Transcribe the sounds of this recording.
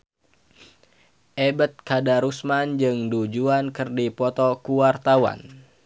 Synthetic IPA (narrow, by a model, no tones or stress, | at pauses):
ʔebət̪̚kadaɾusmand͡ʒɨŋdud͡ʒuankɨrdipɔt̪ɔkuwart̪awa̰n